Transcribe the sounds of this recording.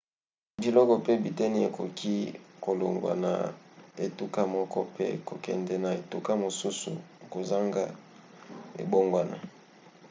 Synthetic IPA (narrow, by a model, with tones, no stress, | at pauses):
di˨lɔ˦kɔ˨pe˦bi˨tɛ˦ni˦e˨ko˨kʰi˦ko˨lo˨ŋɡa̰˨na̰˨e˨tu˦ka˦mɔ˦kʰɔ̰˦pḛ˦ko˨kɛ̰˨ndɛ˨na˨e˨tu˦ka˦mo˨su˦sṵ˨ko˨za˦ŋɡa˦ | ḛ˨bo˦ŋɡwa˨na̰˨